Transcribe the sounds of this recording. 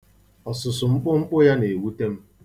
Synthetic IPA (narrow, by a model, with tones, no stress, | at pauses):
ɔ˨sʊ˨sʊ˨ŋ͡m̩˦k͡pʊ˦ŋ͡m̩˦k͡pʊ˦ja˦ne˨wu˦te˦m̩˦